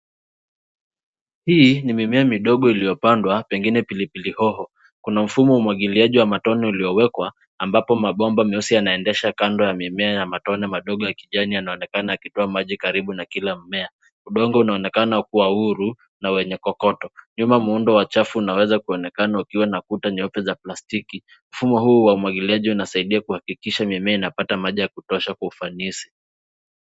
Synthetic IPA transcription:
hinimimɛamiɗɔɠɔilijɔpandwapɛŋɡinɛpilipilihɔɦɔ | kunam̩fumɔumwaɠiliaʄiwamatɔnɛuliɔwɛkwaː | mbapɔmaɓɔmbamɛusijanaɛndɛʃakandɔjamimɛajamatɔnɛmaɗɔɠɔjakiʄanianaɔnɛkanaakitɔamaʄikaɾiɓunakilam̩mɛa | uɗɔŋɡɔunaɔnɛkanak̚uwauɾu | nawɛɲɛkɔkɔtɔɲumamuundɔwat͡ʃafuunawɛzakuɔnɛkanaukiwanakutaɲɔpɛzaplastiki | m̩fumɔɦuːwaumwaɠiliaʄiunasaiɗiakuhakikiʃamɛmɛainapatamaʄijakutɔʃakwaufanisi̥

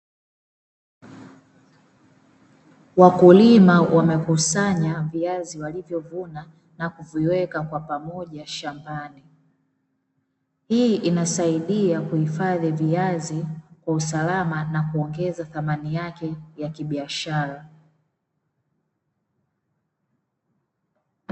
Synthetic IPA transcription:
wakulimawʔamɛkusaɲaviaziwalivjɔvuna | nakuviwɛkakwapamɔʄaʃambani | hiːʔinasaiɗiakuhifaðiviazikwausalamanakuɔŋɡɛzaθamanijakɛjakiɓiaʃaɾa

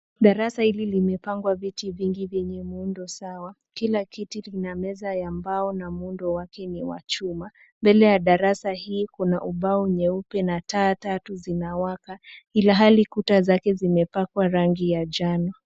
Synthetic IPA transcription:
ɗaɾasahililimɛpaŋɡwavitiviŋɡivjɛɲɛmundɔsawa | kilakitilinamɛzajambaɔnamundɔwakɛniwa̰t͡ʃuma | mbɛlɛjaɗaɾasahiːkunaʔuɓauɲɛupɛnataːtatuzinawakailaɦalikutazakɛzimɛpakwaɾaŋɡijad͡ʒanɔ

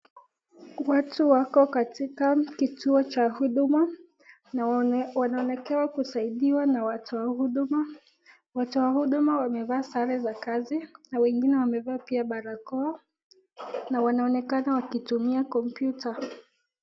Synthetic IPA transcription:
watʰuwakɔkatikakitʰuɔt͡ʃahuɗuma | nwanaɔnɛkɛwakusaiɗiwanawatɔwahuɗuma | watɔwahuɗumawamɛvaːsaɾɛzakazinawɛŋɡinɛwamɛvapiaɓaɾakɔ | nawanaɔnɛkanawakitumiakɔmpjuta

